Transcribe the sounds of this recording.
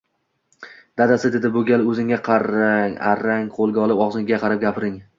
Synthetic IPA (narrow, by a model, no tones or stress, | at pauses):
d̪̥ad̪asɪd̪ed̪ɪboɡʲalɪɵzɪŋʲaqʰɑɾaŋa̰ɾaŋqʰolˠɡʲaɒlˠɪpɒʁzɪŋɡʲaqʰɑɾap̚ɡʲapʰɾɪŋ